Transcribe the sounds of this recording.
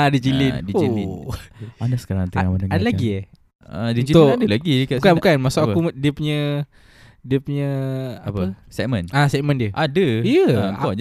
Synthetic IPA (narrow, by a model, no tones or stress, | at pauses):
adid͡ʒilindid͡ʒoili | adasə̥kaɾaŋt̪əŋamaəŋadalaɡie | adiuit̪ʊadəlaɡikaukabukanmasʊkakudiəpuɲə | diəpuɲə̃apəsɛkmənasɛʔməndiəʔadəijəŋkɔ